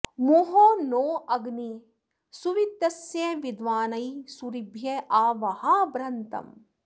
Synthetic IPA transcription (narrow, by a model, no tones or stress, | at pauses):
muɦoːnoːʔɐɡni | suʋit̪ːɐsjeʋid̪ʋaːnɐjsuɾibʱjeʔaːʋɐhɐbɾɐnt̪ɐ̰m